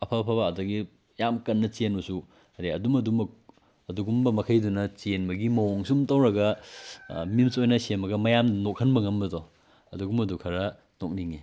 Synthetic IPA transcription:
ɐpʰɐpʰɐbaːdɐɡi | jamkɐnːɐt͡ʃienbɐsu | ɐdiɐdumɐdumɐk̚ | ɐduɡumbɐmɐkʰɐjdunɐt͡ʃienbɐɡimɐwoŋsumtɐwɾɐɡɐ | mimsojnɐsembɐɡɐmɐjamnok̚ʰːɐnbɐŋɐmbɐdɔ | ɐduɡumɐdukʰɐɾɐ | nok̚niŋi

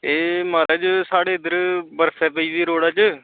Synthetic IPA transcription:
eːmaːɾaːt͡ʃsaːɽeːɪd̪əɾbəɾsʰɛ̃ːpəiːziːɾoːɽaːt͡ʃ

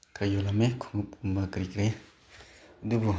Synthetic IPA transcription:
kajolamekʰuŋup̚umbakɾikɾe | d̪ubu

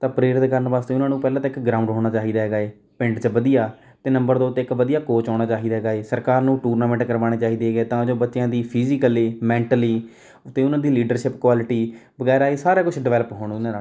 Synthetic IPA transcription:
t̪ãːpəɾeːɾɪt̪kəɾənbaːst̪eːʊnãːnũːpɛːlãːt̪ːɪkɡɾãːʊ̃ɳɖɦoːɽ̃aːt͡ʃaːɦiːd̪aːɦeːɡaːeː | pɪ̃ɳʈt͡ʃʋəd̪ijaː | t̪eːnəmbəɾd̪aoːʊt̪ːeːkʋəd̪ijaːkoːt͡ʃaːɽ̃aːt͡ʃaːɦiːd̪aɦɛɡaːeːsəɾkaːɾnũːʈuːɾnaːmɛ̃ːɳʈkəɾʋaːɽ̃eːt͡ʃaːɦiːd̪eːɡeːt̪ãːd͡ʒoːbətːʃjãːd̪iːpʰiːzɪkəliːmɛ̃ːɳʈəliː | t̪eːʊnãːd̪iːliːɖəɾʃɪpkwaːlɪʈiːbəɡɛːɾaːesaːɾaːkʊt͡ʃʰɖɪʋɛːləpɦoːɽ̃nãːa

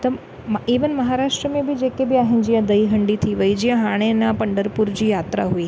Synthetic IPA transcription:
t̪ə | miʋənməɦaɾaʂʈɾəmẽbʱid͡ʒekebʱiaɦɪnd͡ʒijãd̪əiɦəɳɖit̪ʰiʋəid͡ʒiãɦaɽ̃enapəɳɖəɾpuɾd͡ʑijat̪ɾaɦui

